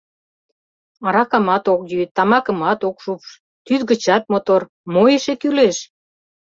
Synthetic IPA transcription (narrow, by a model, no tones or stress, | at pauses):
ɑɾɑkɑmɑt̪okjyt̪ːɑmɑkə̆mɑt̪okʃupʃ | t̪yt̪ɡə̆t͡ɕɑt̪̚mot̪or | mojeʃekyleʃ